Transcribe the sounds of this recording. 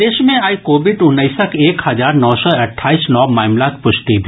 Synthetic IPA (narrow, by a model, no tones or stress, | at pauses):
d̪eːʃmẽaːikoːbɪʈʊnːəɪsəkeːkhɐzaːɾnɔːsɔɐʈʰːaːiːsnɔːmaːmlaːkpʊʃt̪ib̪ʱ